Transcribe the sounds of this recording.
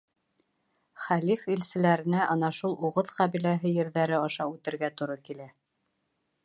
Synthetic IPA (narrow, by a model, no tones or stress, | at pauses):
χælifilsɘ̆læɾɘ̆næʔɑnɑʃulˠuʁɤðqɑβilæɦɘjɘ̆ɾðæɾɘɑʃɑʉt̪ɘ̆ɾɡæt̪ŏɾɤkilæ